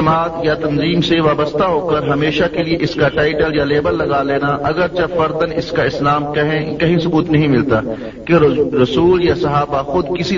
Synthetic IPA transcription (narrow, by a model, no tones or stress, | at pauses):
ɐmaːd̪jat̪ɐnziːmseʋaːbəst̪ʰaɦoːkəɾɦɐmeːʃakelieʔɪskaʈaːɪʈəljaleːbəlːɐɡaleːnaʔɐɡəɾt͡ʃɐfɐɾd̪ənɪskaɪslaːmkɐɦkɐɦĩsʊbuːt̪nɐɦĩmɪlt̪aː | keɾɐsuːljasɐɦaːbaxʊd̪kɪsi